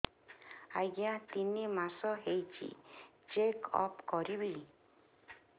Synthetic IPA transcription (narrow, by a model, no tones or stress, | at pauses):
ajɡjãt̪inimasɔɦejt͡ʃḭ | t͡ʃekʰɔ̰pkɔɾibi